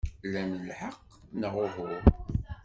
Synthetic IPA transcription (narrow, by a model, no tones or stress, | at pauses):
lænəlħəqː | nəʁʊvʊɾ